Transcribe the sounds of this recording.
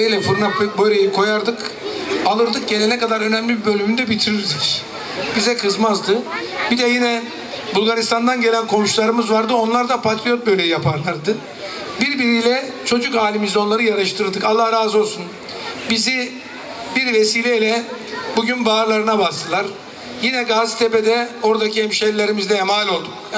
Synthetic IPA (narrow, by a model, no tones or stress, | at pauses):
lʲɛfuɾnabøjlʲejikʰo̞jaɾd̪ɯkalˠɯɾd̪ɯk̚ɟe̞lʲenɛkad̪aɾø̞næmlʲibibø̞lʲymynd̪ɛbit̪ʰiɾiɾd̪ic | b̥izɛkʰɯzmazd̪ɯ | b̥id̪ɛjinɛ | bulˠɡaɾist̪ʰand̪anɟe̞lʲænkʰo̞muʃlˠaɾɯmɯzvaɾd̪ɯo̞nlˠaɾd̪apʰat̪ɾijo̞t̪̚bø̞jlʲejjapʰaɾlˠaɾd̪ɯ | biɾbiɾijlʲɛ | t͡ʃʰo̞d͡ʒukaːlʲimizo̞nlˠaɾɯjaɾɯʃt̪ʰɯɾɯd̪ɯkalˠːahɾaːzo̞lˠsun | bizi | biɾvesiːlʲɛilʲɛ | buɟynbaːɾlˠaɾɯnabast̪ʰɯlˠaɾ | jinɛɡazt̪ʰeped̪ɛo̞ɾd̪acʰiɛmʃellːʲeɾimizd̪ɛɛmaːlʲo̞lˠd̪uk